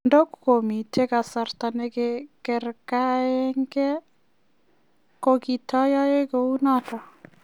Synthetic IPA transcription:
ndɔ˦kuko˨mi˨tʰe˦ka˨sa˨rta˨ne˦kekɛ˨rka˦ɛ˦ŋɡɛ˦ | koki˨tɔ˦ja˦e˦kou˦natɔ˨

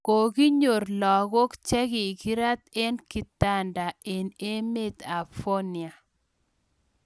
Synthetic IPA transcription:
ko˨ɡi˦ɲo˨rlɔ˨ɣo˦kt͡ʃɛ˦ki˨ki˦ɾa˦t̪e˦nki˨ta˦˨nda˨e˨ne˦me˦t̪a˨fo˦nja˨

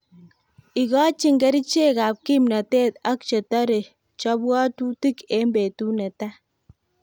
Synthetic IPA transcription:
i˨kɔ˦t͡ʃi˦ŋɡɛ˦ɾi˦t͡ʃe˦˨ka˨p̚ki˦mna˨te˦ta˦kt͡ʃe˨tɔ˦ɾe˨ | t͡ʃɔ˦bwɔ˦tu˦ti˦ke˦mbe˨tu˦nɛ˨ta˦

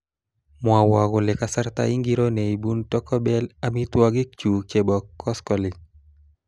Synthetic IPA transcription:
mwa˨wa˨ɡʊ˨lɪ˨ka˨sa˦ɾt̪a̰i˦ŋɡi˦ɾo˦ne˨i˨bu˦ntɔ˦kɔ˦bɛ˦la˨mi˦t̪wa˦ɡɪ˦k̚t͡ʃu˨t͡ʃe˨bɔ˨kʰːɔ˦skɔ˨lɪ˨

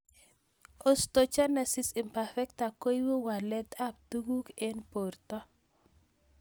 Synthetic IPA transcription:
o˨sto˨t͡ʃa˦na˨si˨sɪ˨mpa˨fɛ˦k̚ta˨ko˦jwo˦wa˨lɛ˦t̪a˦p̚tu˦ɡu˦ke˦npo˨rtɔ˦

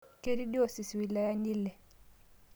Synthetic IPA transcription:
ke˦ɾi˦ɗi˦ɔ˨si˨swi˨la˦ja˦ni˦lɛ˨

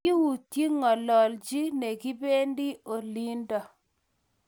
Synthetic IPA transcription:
i˦wu˨tje˦ŋɔ˨lɔ˨ld͡ʒi˦ne˨ɡi˦be˦ndi˦ʔo˨li˦ndɔ˨

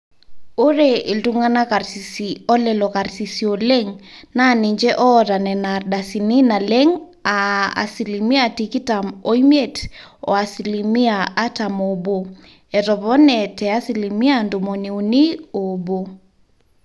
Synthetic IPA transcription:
o˦ɾeʔi˨ltuŋana˦ka˨rsi˨siɔ˦lɛlɔka˨ɾsi˨siole˦ŋna˦ni˨ɲd͡ʒɛ˦ʔɔ˦ɾa˨nɛ˨narda˨sini˦na˨le˦ŋ | a˨a̰˨si˨limi˦atiki˦tamo˦imjetɔ̰˨a˨silimi˦a˨a˦tamobo˨ | ɛ˨tɔpɔ˦nɛ˨tɛ˨a˦silimi˦ando˨moni˨u˨ni˦o˨bo˨

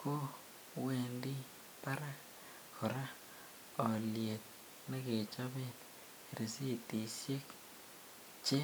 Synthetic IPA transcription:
ko˦ | we˨ndi˦ | pa˦ɾa˦ | kɔ˨ɾa˦ | ɔ˨lje˨t̪̚ | na˦ke˨t͡ʃa˦be˦t | ɾe˨si˦˨ti˨sje˦k | t͡ʃe˦

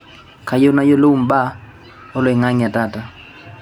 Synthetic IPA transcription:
ka˨jo˦na˦jo˦lo˦u˦˨m̩˨ba˦ | o˦lwe˨ŋa˦ŋ˨a˨ta˦ta˨

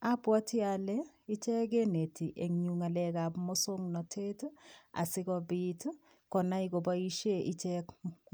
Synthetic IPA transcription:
a˦pwɔ˦ti˦a˨lɛ˦ | i˦t͡ʃɛ˦k̬e˦ne˨ti˨ʔe˨ŋɲu˨ŋa˨lɛ˦ka˨pmɔ˦so˦ŋnɔ˨tʰe˦ta̰˨sɪ˦kɔ˦bi˦t | kɔ˨na˦i˦ko˨ba˦i˦ʃe˦ʔi˦t͡ʃɛ˦k

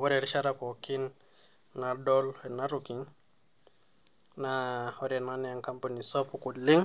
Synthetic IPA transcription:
wɔ˦ɾɛ˨ɾi˦ʃa˦ɾa˦pɔ˨ki˦nː | a˨dɔ˦lɛ˨na˦ɾu˨ki˨ŋ | naɔ˦ɾɛ˨na˦nɛ˦a˨ŋka˦mpa˨ni˨sɔ˦pu˨ku˨li˦ŋ

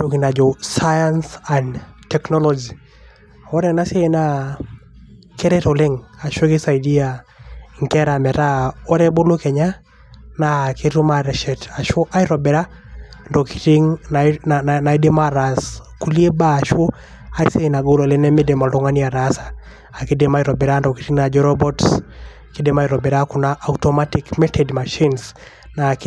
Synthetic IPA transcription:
to˨ki˨na˨d͡ʒɔ˨saja˦nsantɛ˨knɔ˦lɔd͡ʒi˨ | ɔ˦ɾɛ˦na˦se˦na˦ | ke˦ɾɛtɔ˨lɛ˦ŋa˨ʃo˦kɪ˦sa˨idi˦a˨ŋ˨kɛ˦ɾa˨mɛ˨ta˦ɔ˦ɾɛ˦bo˦lo˦kɛ˨ɲa˦ | na˨keɾu˦maɾɛ˨ʃɛ˨ta˨ʃo˦ʔa˦iɾɔ˨bɛ˨ɾa˦ | ndɔki̥˨ti˦ŋnana˨ana˨i˦de˦maɾasku˦li˦e˦baː˦˨ʃwo˦ | a˦sena˨ɡo˦lo˨le˦nɛ˦me˦de˨mɔ˨lɔ˦ŋa˦nia˨ɾasaː˨ | ki˦dema˦iɾɔ˨bɛ˨ɾa˦ndɔ˨ki̥˦ɾi˦ŋna˨d͡ʒɔɾɔbɔ˦ts | kide˦ma˦iɾɔ˨bɛ˨ɾaku˨na˦ʔːutɔma˦tikmɛtʰɛdma˨ʃi˦ns | na˨k

